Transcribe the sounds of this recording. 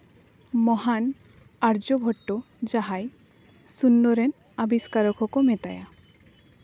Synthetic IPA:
mɔɦan | aɾd͡ʒɔbʱɔʈːo | d͡ʒaɦaj | sunːɔɾen | abiskaɾɔkʰɔkomet̪aja

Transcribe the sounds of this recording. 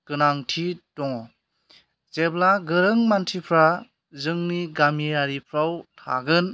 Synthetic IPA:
kɯnaŋtʰidɔŋ | zeblaɡɯɾɯŋmantʰipʰɾa | zɯŋniɡameaɾipʰɾawtʰa̰ɡɯn

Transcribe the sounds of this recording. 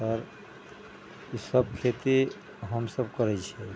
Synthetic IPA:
səɾ | isəb̚kʰet̪e | ɦəmsəb̚kəɾɛt͡ʃʰɛ

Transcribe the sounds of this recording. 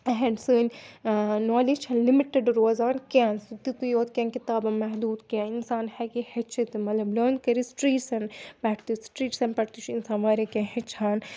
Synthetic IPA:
ɦeɖsɨːnʲ | noːlit͡ʃʰɐnlimiʈeɖɾoːzaːnkʲãːnsut̪it̪ujoːt̪kʲãːnkit̪aːbɐmɐɦd̪uːd̪kãinsaːnhɛkihɐt͡ʃʰit̪mɐt̪lɐbloːnkɐɾisʈɾiːʈsɐnbɛʈʰt̪isʈɾiːʈsɐnpɐʈt̪ut͡ʃʰinsaːnʋaːɾekʲãːɦet͡ʃʰaːn

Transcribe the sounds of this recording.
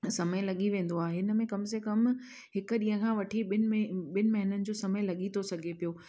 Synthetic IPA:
sɐməɪlɐɠiʋẽːn̆d̪oaːɦeɦɪnə̆mẽkɐmsekɐm | ɦɪkʊ̆ɗĩːɦə̃kʰãːʋɐʈʰiɪɓɪnɪmɐɦɪnənɪ̆d͡ʑoːsɐməjlɐɠit̪ʰosɐɡʱepijoː

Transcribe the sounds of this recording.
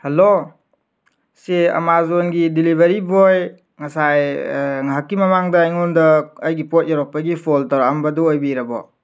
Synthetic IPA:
halo | seɐ̰mazonɡidilibaɾibɔj | ŋasajŋɦakːimamaŋdajŋɔndɔːjɡipɔt̚jaɾɔk̚pːaɡipʰɔltɔɾambaduɔjbiɾabɔ̰

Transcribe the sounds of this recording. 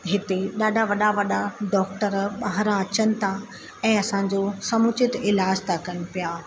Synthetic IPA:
ɦɪt̪eɗaːɖʱaʋɐɗaʋɐɗaɖɔːk̚ʈəɾɓaɦɾãɐt͡ɕənɪ̆t̪ʰa | ɛ̃ːɐsãd͡ʑosɐmʊt͡ɕɪt̪ɪlaːd͡ʑt̪ʰakɐñɪ̆pijaː

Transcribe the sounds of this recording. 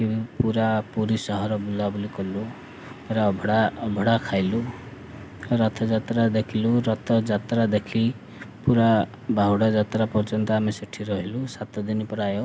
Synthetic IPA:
ipuɾapuɾisʌɦʌɾʌbulablikʌlu | eɾabʱɽabʱʌɽakʰajlu | ɾʌt̪ʰʌd͡zat̪ɾad̪ekʰiluɾʌt̪ʰʌd͡zat̪ɾad̪ekʰi | puɾa | bʱawɽad͡zat̪ɾapʌrt͡sʌnt̪aːmesiʈʰːiɾʌɦelusat̪ʌd̪inipʌɾajo

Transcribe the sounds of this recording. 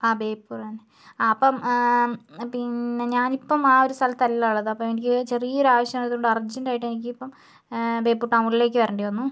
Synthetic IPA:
aːbe̞ːpːuːrɐne | ɐpːɐm | pinːe̞ɲaːnipːɐmaːo̞ɾust̪ʰɐlɐt̪ːɐlːaːɭːɐðɨɐpːɐmenikʲːɨt͡ɕe̞riːoɾaːʋɐɕjɐɐnɐt̪ːioɳɖɐrd͡ʑːɐndaːjiʈːenikʲːɨipːɐm | be̞ːpːuːʈːɐwŋɡlile̞ːk̬ʲːɨʋɐɾɐːɳɖijʋɐnːu

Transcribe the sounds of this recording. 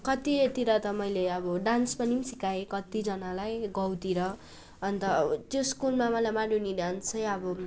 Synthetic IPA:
kʌt̪iet̪iɾʌt̪ʌmʌjleʌbʌɖanspʌnimsikaekʌt̪id͡zʌnalajɡʌwt̪iɾʌ | ʌnt̪ʌt̪joskulmamʌlajmaɽuniɖansʌjʌbʌ

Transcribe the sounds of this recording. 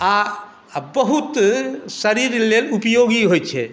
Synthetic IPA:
a | bɐɦut̪sɐɾiɾlelupjoːɡiɦojt͡ʃʰe

